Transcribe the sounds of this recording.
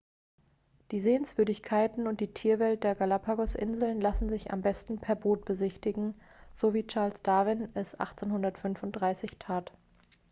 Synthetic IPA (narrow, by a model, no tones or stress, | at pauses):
d̥iːzeːənsv̥ʏɐdɪçkʰaɪtn̩ʊnt̚d̥iːtʰiːɐvɛlt̚d̥eːɐɡalapʰaɡɔsʔɪ̰nzl̩nlasn̩zɪça̰mbɛstn̩pʰɛɐboːt̚b̥əzɪçtɪɡŋ̩ | z̥oviːt͡ʃaɐlsd̥avɪnɛsʔa̰χt͡senhʊndɐtfʏnfʊnt̚d̥ʁaɪsɪçtʰaːt